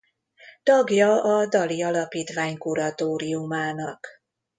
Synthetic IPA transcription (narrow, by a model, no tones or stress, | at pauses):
t̪ɒɡjɒɒd̪ɒliɒlɒpiːt̪ʋaːɲkuɾɒt̪oːɾiumaːnɒk